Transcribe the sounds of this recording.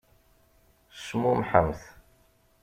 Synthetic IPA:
smʊmħə̰mθ

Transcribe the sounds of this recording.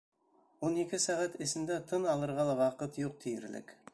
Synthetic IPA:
wonekʲɪsæʁæt̪ɪsɪnd̪æt̪ʰənɑlˠɤɾʁɑlˠɑwɑqət̪joq̚t̪ʰijɪɾlɪ̰kʲ

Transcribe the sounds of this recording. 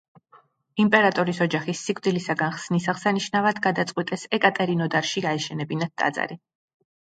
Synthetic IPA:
impʼɛɾat̪ʼɔɾisɔd͡ʒaχisːikʼvd̪ilisaɡanχsnisaʁsaniʃnavad̪ɡad̪at̪sʼqʼwit̪ʼɛsɛkʼat̪ʼɛɾinɔd̪aɾʃiɡaɛʃɛnɛbinat̪̚d̪ʼa̰d̪za̰ɾi

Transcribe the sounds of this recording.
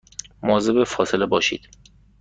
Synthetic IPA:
mɒːzebefɒːselebɒːʃḭːd̪̥

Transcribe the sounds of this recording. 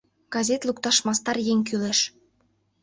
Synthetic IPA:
ɡ̥ɑzʲet̪lukt̪ɑʃmɑst̪ɑrjeŋʲk̬yleʃ

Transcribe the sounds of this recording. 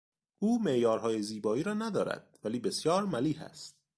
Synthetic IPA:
ʔuːmeʔjɒːɾɦɒːjeziːbɒːiːɾɒːnæd̪ɒːɾæ̰d̪̥̚væliːbesjɒːɾmæliːhæ̰st̪̚

